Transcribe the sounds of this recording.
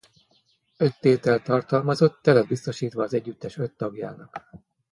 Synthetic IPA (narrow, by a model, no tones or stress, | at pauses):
ø̞t̪ːeːt̪ɛlt̪ɒrt̪ɒlmɒzo̞t̪ːɛlɛd̪̚bist̪o̞ʃiːt̪ʋɒːzɛɟːyt̪ːɛʃø̞t̪ːɒɡja̰ːnɒk